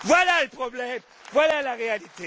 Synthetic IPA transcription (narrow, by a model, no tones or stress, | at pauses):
valalpʰʼrɔblɛm | valalak̬ɛjaditʰɛ